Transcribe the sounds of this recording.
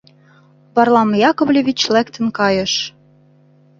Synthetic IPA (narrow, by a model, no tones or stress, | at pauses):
pɑrlˠɑmjɑkoβlʲeβʲit͡ɕlækt̪ə̆nkɑjɤ̆ʃ